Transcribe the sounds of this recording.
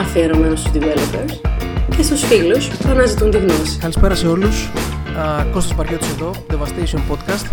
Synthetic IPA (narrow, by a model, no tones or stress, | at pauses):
ɐfeɾomest̪uzd̪ivelopeɾscest̪osfilost̪oɐnɐzit̪unt̪iɣno̞si̥kɐlispe̞ɾɐse̞o̞lus | ko̞st̪ospɐɾce̞t̪useðo̞ðevɐst̪ejsionpo̞d̪kɐst̪